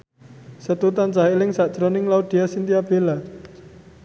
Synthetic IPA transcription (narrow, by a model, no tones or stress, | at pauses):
sət̪ut̪ant͡ʃaɦelɪŋsaʔd̥ʒ̥ɾɔnɪŋlaud̪̥i̤asint̪iab̥ela